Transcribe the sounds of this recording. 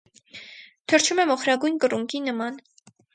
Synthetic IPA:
t̪ʰəɾt͡ʃʰumɛmɔχɾɑɡujnkəruŋkinəmɑn

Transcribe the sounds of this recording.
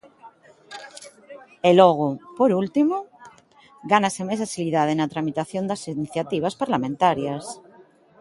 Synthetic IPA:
eloɣ̞opoɾult̪imo | ɡanasemesasiliðað̞enat̪ɾamit̪aθjond̪asiniθjat̪iβ̞aspaɾlamẽnt̪aɾjas

